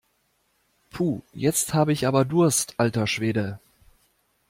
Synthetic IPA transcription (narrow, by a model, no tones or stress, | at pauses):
pʰuːjɛt͡sthaːbəɪçʔaːbɐdʊɐstʔaltɐʃv̥eːdə